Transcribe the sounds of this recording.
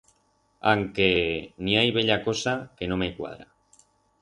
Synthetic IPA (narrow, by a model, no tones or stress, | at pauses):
aŋkeniajβeʎakosakenõmekwa̰ðɾa̰